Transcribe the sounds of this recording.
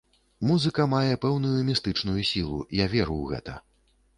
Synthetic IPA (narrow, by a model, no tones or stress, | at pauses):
muzɨkɐmajɛpɛwnujumʲist̪ɨt͡ʂnujusʲilˠṵjavʲɛɾuwɣɛ̰t̪ɐ̰